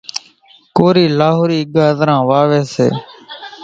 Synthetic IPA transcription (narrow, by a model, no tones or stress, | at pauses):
koːɾiːlaːɦoːɾiːɡaːzɾãːʋaːʋeːsḛː